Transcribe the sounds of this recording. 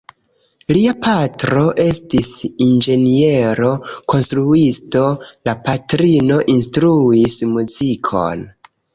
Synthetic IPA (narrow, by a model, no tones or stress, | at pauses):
liapʰatɾo̞ʔe̞stisind͡ʒe̞nie̞ɾo̞kʰo̞nstɾuisto̞lapatɾino̞ʔinstɾuismuzikʰo̞̰n